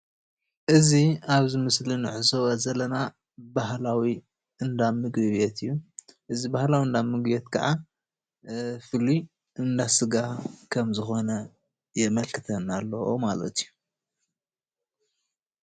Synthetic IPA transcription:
ʔɨziaβzɨmɨslinɨʕɨzowɐzɐlɐna | baɦlawi | ʔɨnd̪amɨɡɨβet̪ʰɨjːuʔɨzibahlawiɨnd̪amɨɡbet̪kʰɐ̰ʕʔa | fɨli | ɨnd̪asɨɡakʰɐmzɨxo̞nɐ | jɛmɐlkʰɨt̪ʰɐnːalːɐwo̰malɐ̰t̪ijːu

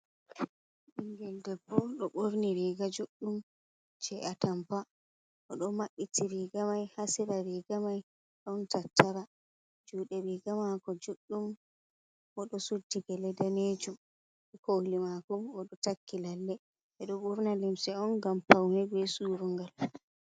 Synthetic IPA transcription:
ɗiŋɡɛldɛbːɔɗɔɓoɾniɾiɡad͡ʒuɗːum | t͡ʃɛatampa | ʔɔɗɔmaɓːitiɾiɡamajhasiɾaɾiɡamaj | ɗɔntatːaɾa | d͡ʒuːɗɛɾiɡamakɔd͡ʒuɗːum | ɔɗɔsudːiɡɛlɛdaneːd͡ʒum | ɛkohlimakɔɔɗɔtakʰːilalːɛ | ɛɗɔɓoɾnalimsɛɔnɡampawhɛbɛsuːɾuŋɡal

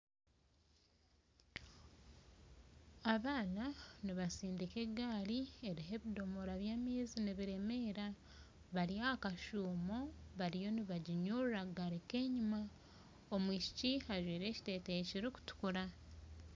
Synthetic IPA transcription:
aβaːnaniβasiːndike̞ɡaːɾie̞ɾiɦe̞βido̞moɾaβjaːmiːziniβiɾe̞me̞ːɾa | βaɾiakaʃuːmo̞βaɾijo̞niβaɟiɲuraɡaɾeke̞ːɲima | omwiːci̥cihaʒwiːɾe̞ːci̥te̞ːteciɾiku̥tu̥kuɾa

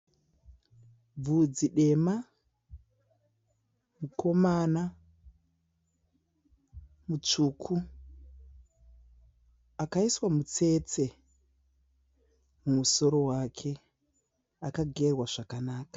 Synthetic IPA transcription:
b͡vud͡ziɗe̞ma | mukʰo̞mana | mut͡ʂuːkʰu | akaiswamut͡se̞t͡se̞ | mumuso̞ɾo̞wakʰe̞ | akaɡʱe̞rwaʐ̥akanaːkḁ

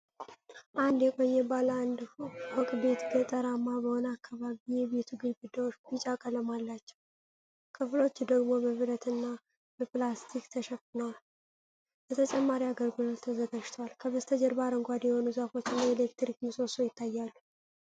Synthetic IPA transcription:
ʔand̪jɛkʼo̞ɲːɛbaland̪wɔkʼbe̞t̪ɡət̪ʼəɾamːabəhonakːaβaβijɛβe̞t̪ʰuɡɨnɡɨd̪ːawot͡ʃːbit͡ʃʼakʼələmalːat͡ʃːɛw | kʰɨflo̞t͡ʃːd̪əɡmo̞bəβɨɾət̪ɨnːa | bəplast̪ʰikt̪ʰəʃɛfɨnəwal | bət̪ʰət͡ʃʼɛmːaɾiaɡəɾɡɨlolt̪ʰəzəɡaʃt̪ʰalkʰəβəst̪ʰəd͡ʒɛɾbaɾəŋɡʷad̪jɛho̞nuzəfo̞t͡ʃːɪnːaelekt̪ɾikmɨso̞sojɪt̪ʰːajːalːu

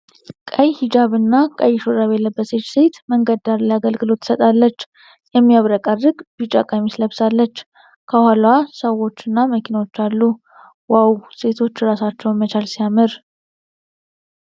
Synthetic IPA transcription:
kʼəjhid͡ʒaβɨnːakʼəjːɪʃoɾaβjɛlːəbːəset͡ʃse̞t̪məŋɡəd̪aɾləjaɡəlɡɨlo̞t̪ːsət̪ʼalːət͡ʃː | jɛmːijaβɾəkʼərːɨɡbɨt͡ʃʼakʼajmisləβsalːət͡ʃː | kʰəhalwasəwo̞t͡ʃːɨnːaməkʰinawo̞t͡ʃːalːu | wawse̞t̪ʰo̞t͡ʃːɾasat͡ʃːɛwmət͡ʃalsijamɨɾ

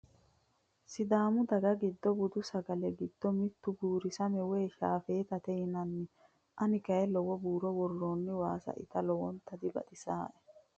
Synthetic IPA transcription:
sɪd̪aːmʊd̪ɐɡɐɡɪd̪ːɔbʊd̪ʊsɐɡɐlɛɡɪd̪ːɔmɪt̪ːʊbuːɾɪsɐmɛwɛjʃaːfeːt̪ɐt̪ɛjɪnɐnːɪ | ʔɐnɪkɐjɛlɔwɔbuːɾɔwɔrːoːnːɪwaːsɐ̰ʔɪ̰t̪ɐlɔwɔnt̪ɐd̪ɪbɐ̰t̪ʼɪsaːʔɛ̥

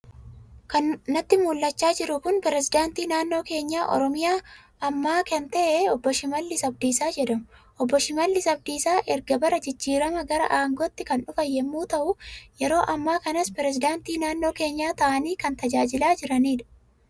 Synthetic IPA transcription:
kɐnnːɐt̪ːɪmuːlːɐt͡ʃːaːd͡ʒɪɾʊkʊnpɛɾɛsɪd̪aːnt̪iːnaːnːo̞ːke̞ːɲːaːʔɔ̰ɾɔmɪjaː | ɐmːaːkɛnt̪ɐʔeɔbːɔʃɪmɐlːɪsɐb̚d̪iːsaːd͡ʒɛᶑɐmʊʔɔbːɔʃɪmɐlːɪsɐbd̪iːsaːʔɛɾɡɐbɐɾɐd͡ʒɪd͡ʒːiːɾɐmɐɡɐɾɐ̰ʔaːŋɡot̪ːɪkɐnᶑʊfɐjːɛmːuːt̪ɐʔʊjɛɾo̞ːʔɐmːaːkɐnɐspɛɾɛs̬ɪd̪aːnt̪iːnaːnːoːke̞ːɲːaːt̪ɐʔɐniːkɐnt̪ɐd͡ʒaːd͡ʒɪlaːd͡ʒɪɾɐniːᶑɐ̥

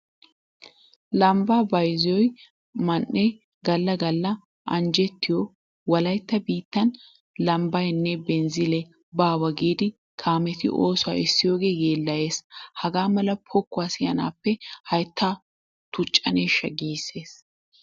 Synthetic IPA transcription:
lɐmbaːbɐjzɔj | mɐnːɛ | ɡɐlːɐɡɐlːɐ | ʔɐ̰nd͡ʒɛt̪ːɪjɔ | wɐlɐjt̪ːɐbiːt̪ːɐn | lɐmbɐjnːɛbɛnzɪlɛ | baːwɐɡiːd̪ɪ | kʰaːmɛt̪ɪ̰ʔoːsʊwa̰ɪsːɪjo̞ːɡe̞ːɡe̞ːlːɐje̞ːshɐɡaːmɐlɐpʰɔkːʊaːsɪjɐna̰ːpːɛhɐjt̪ʰːaː | t̪ʊt͡ʃʼːɐ̰neːʃːɐɡiːsːe̞ːs

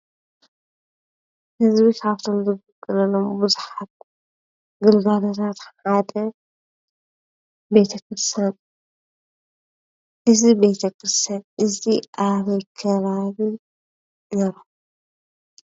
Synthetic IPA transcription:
hɨzbikʰaβt̪ʰo̞mzɨɡɨkʼːɨlɐlːo̞mbɨzuħat̪̚ | ɡɨlɡalot̪ʰat̪ħad̪ɐ | be̞t̪ʰɐkɾɨst̪ʰan | ʔɨzibe̞t̪ʰɐkɾɨst̪ʰanʔɨziʔaβɐjkʰɐβaβi | neɾo

